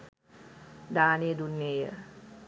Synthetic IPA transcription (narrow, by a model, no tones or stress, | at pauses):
d̪aːnejəd̪unːejə